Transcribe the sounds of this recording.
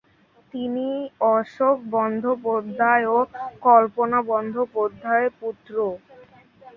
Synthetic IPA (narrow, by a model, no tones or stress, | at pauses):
t̪iniɔʃok̚bɔnd̪ʱopoɾd̪ʱaeokɔlponabɔnd̪ʱopoɾd̪ʱːaeput̪ɾo